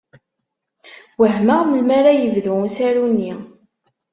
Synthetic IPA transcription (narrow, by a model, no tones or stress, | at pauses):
wəɦməʁməlmaɾajəvðusæɾunːi